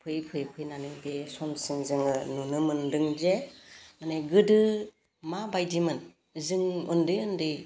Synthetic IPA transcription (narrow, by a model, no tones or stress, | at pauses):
pʰɯjpʰɯjpʰɯjnanɯŋbesɔmsɯŋzɯŋɯnunɯmɯndɯŋd͡ʒemaneɡɯdɯ | mabajdimɯn | zɯŋɯndɯjɯndɯj